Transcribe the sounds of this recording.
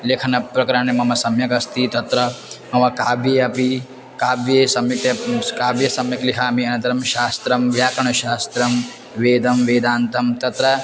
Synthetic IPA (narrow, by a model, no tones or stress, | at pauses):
leːkʰɐnɐpɾɐkɐɾaɳemɐmɐsɐmjɐkɐst̪ʰit̪ɐt̪ɾɐmɐmɐkaːbjeːɐpi | kaːbjeːsɐmjɐk̚tɐkaːbjɐsɐmjɐkliɦɐɐmiɐnɐnt̪ɐɾɐmʃaːst̪ɾɐmʋjaːkɐɳɐʃaːst̪ɾɐm | ʋeːd̪ɐmʋeːd̪aːnt̪ʰɐmt̪ɐt̪ɾɐ